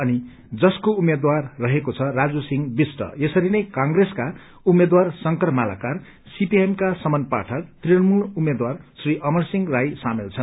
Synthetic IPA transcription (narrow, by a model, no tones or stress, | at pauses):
ʌni | d͡zʌskoumed̪warːʌɦekot͡sʰʌrad͡zusiŋbisʈʌ̰esʌɾinʌjkãŋɡreska | umːed̪warsʌŋkʌrmala̰kar | sipiemkasʌmʌnpa̰ʈʰʌk̚t̪riʌnmuɭumːed̪warsriʔʌmʌrsiŋrajsamelt͡sʰʌn